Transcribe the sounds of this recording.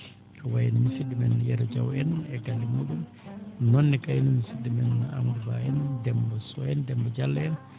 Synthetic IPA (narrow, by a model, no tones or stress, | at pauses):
awajinimisidimɛnjɛɾɔd͡ʒawɛnɛɡalːimuɗum | nɔnːɛkajnumisidːimɛnːa̰muduba̰ɛndɛmbɔsɔɛndɛmbɔd͡ʒalːaɛn